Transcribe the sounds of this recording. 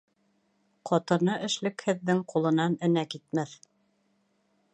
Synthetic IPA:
qʰɒt̪ɤ̆nɤʔɘ̆ʃlɘ̆khɘ̆ðːɘŋqulˠɤ̆nɑnɘ̆nækit̪mæθ

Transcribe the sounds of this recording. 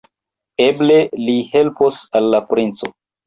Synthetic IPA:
eble̞lihe̞lposalːapɾint͡so

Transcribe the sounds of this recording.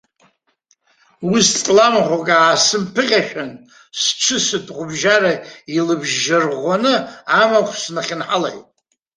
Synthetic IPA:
ustʼlamʁʷakʼaːsɨmpʰɨʁʲaʃᶣan | sʈ͡ʂʷʰɨsɨtʰʼʁʷʊbʒaɾailɨbʒːarʁʷanɨamakʷʰsnaχʲɪnħala̰jtʼ

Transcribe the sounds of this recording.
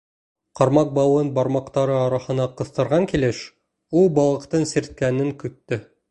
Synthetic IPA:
qɑɾmɑq̚bɑwɤnbɑɾmɑqt̪ɑɾɤɑɾɑhɤ̆nɑqɤ̆θt̪ɤ̆ɾʁɑŋkilɘʃ | ulˠbɑlˠɤ̆qt̪ɤɴsiɾt̪̚kænɘŋkɵ̆t̪ːɵ

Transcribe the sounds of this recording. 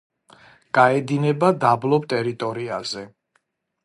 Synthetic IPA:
ɡ̥aɛd̪inɛbad̪ablˠɔp̚t̪ʼɛɾit̪ʼɔɾiazɛ

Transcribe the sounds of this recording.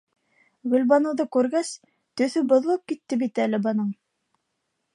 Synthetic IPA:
ɡɵ̆lbɑnŏwðɤkʉɾɡæs | t̪ɵ̆θɵbŏðlˠɤp̚kit̪ːɘbit̪ælɘbɑnɤɴ

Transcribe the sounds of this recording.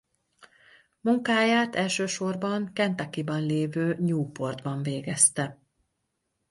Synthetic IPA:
muŋkaːjaːt̪ɛlʃøːʃo̞rbɒŋkɛnt̪ɛkibɒnleːvøːɲuːpo̞rd̪bɒɱveːɡɛst̪ɛ

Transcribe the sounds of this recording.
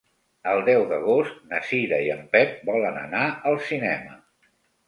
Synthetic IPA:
əlˠd̪ɛwðəɣost̪nəsiðəiəmpɛt̪̚bɔlənə̰naəlˠsinɛmə

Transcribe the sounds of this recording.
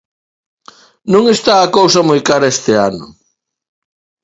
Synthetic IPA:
nõŋest̪aːkowsɐmojkaɾɐest̪eanʊ̰

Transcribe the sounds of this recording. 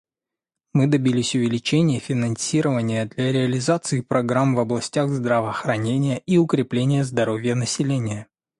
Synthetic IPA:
mɨd̪ɐbʲilʲɪsʲʊvʲɪlʲɪt͡ɕenʲɪjəfʲɪnɐnsʲiɾəvənʲɪjəd̪lʲaɾʲɪɐlʲɪzat̪sɨːpɾɐɡɾamvɐblˠɐsʲtʲaɣzd̪ɾəvəxɾɐnʲenʲɪjəʔiʊkɾʲɪplʲenʲɪjəzd̪ɐɾo̞vʲjənəsʲɪlʲenʲɪjə

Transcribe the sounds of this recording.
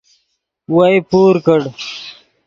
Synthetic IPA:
wajpuːɾkəɽ

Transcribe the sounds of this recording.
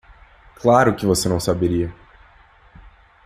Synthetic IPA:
klaɾʊkɪvosenɐ̃w̃sabeɾiɐ

